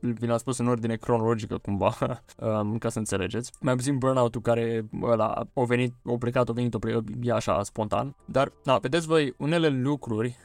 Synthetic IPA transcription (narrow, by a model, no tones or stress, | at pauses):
vinaspusɨno̞rd̪ine̞kɾo̞no̞lo̞d͡ʒikəkumvaəkasəɨnt̪se̞le̞d͡ʒe̞t̪sʲmajap̬ut̪imbərnawt̪ulkaɾe̞əla̰awve̞nit̪̚aplekat̪ove̞nit̪oplekəjaːʃa̰spo̞nt̪a̰nd̪arave̞d̪et̪sʲvojune̞le̞lukɾurʲ